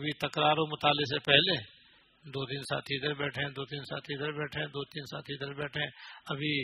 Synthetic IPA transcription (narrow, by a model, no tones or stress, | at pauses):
bʱit̪ɐkɾaːɾõmʊt̪aːlɪsepɛɦle | d̪oːt̪iːnsa̰ːt̪ʰiːd̪əɾbɛːʈʰẽd̪oːt̪iːnsa̰ːt̪ʰiːd̪əɾbɛːʈʰẽd̪oːt̪iːnsa̰ːt̪iːd̪əɾbɛːʈʰẽɐbʱi